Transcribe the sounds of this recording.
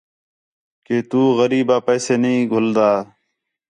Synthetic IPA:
keːt̪uːɣəɾiːbaːpɛːseːnəĩːɡʱʊld̪aː

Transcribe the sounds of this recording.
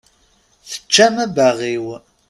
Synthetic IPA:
θə̥t͡ʃːæmæbæʁiw

